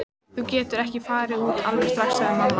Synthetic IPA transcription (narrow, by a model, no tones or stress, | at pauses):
θucɛːt̪ʏɾɛhcɪfaːɾɪuːt̪ʰalvɛɾst̪ɾaxsɛmanː